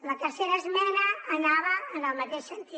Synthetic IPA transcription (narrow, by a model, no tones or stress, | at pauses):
lət̪ərseɾəzmɛnɐːnaβəːnəlˠmat̪eʃsənt̪i